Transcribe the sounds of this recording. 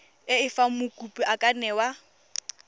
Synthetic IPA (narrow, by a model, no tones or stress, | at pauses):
ɪɪfamʊkʼupʼiʔakʼanɛwa